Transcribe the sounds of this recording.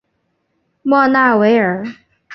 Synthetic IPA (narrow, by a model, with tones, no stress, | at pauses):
mwɔ˥˧na˥˩we˧˥ɪə˞˨˩˦